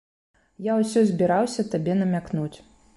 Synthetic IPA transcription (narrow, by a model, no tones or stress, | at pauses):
jawsʲɔzʲbʲiɾawsʲɐt̪abʲɛnɐmʲaknut͡sʲ